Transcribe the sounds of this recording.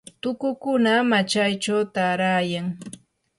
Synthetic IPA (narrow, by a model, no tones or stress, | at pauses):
t̪ʊkʊkʊnamat͡ʃajt͡ʃawt̪aɾaːjaŋ